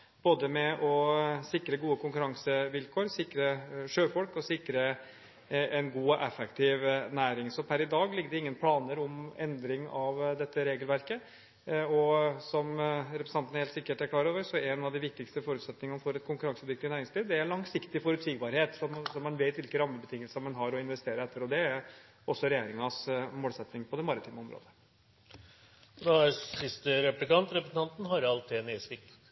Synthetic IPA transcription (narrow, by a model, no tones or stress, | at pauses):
b̥oːd̪əmɛʔɔsɪkɾəɡuːəkʰʊŋkʉɾɑŋsəʋɪlkʰoːɾsɪkɾəʂøːfɔlkɔsɪkɾə | ɛnɡuːʔɛfɛkt̪ʰɪʋnæːɾɪŋsɔpʰæɾɪd̪ɑːɡlɪɡːd̪ɛɪŋːənpʰlɑːnəɾɔmɛnd̪ɾɪŋɑʋd̪ɛt̪ːəɾeːɡəlʋæɾkə | ɔsɔmɾɛpɾsɑnt̪n̩heːlt̪sɪkːəʈæɾkʰlɑːɾoːʋəɾsɔɛnɑʋd̪ɪʋɪk̚t̪ɪkst̪əfɔɾʉːt̪sɛt̪nɪŋnfɔɾɛt̪kʰʊŋkʉɾɑŋsʉt̪ʋɪkt̪ɪnæːɾɪŋsliːʋd̪ɛæɭɑŋsɪkt̪ɪfɔɾʉt̪siːɡbɑɾheːt̪sɔmsɔmːɑnʋeɪt̪ʋɪlkəɾɑmːəbət̪ʰɪŋːəlsəmɑnɦɑɾɔɪnʋɛst̪eːɾəɾɛt̪ːəɾɔd̪ɛæɾ | ɔsːɔɾɛjeːɾɪŋɑsmoːlsɛt̪nɪŋpʰɔd̪ɛmɑɾɪt̪ʰiːməɔmɾo̰ːd̪ə | d̪ɑæsɪst̪əɾɛplɪkɑnt̪ɾɛpɾəsn̩ɑnt̪n̩ɦɑɾɑlt̪ʰeːnesʋɪk